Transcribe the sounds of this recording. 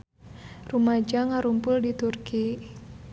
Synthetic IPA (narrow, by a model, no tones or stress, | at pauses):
rumad͡ʒaŋaɾumpʊldit̪urki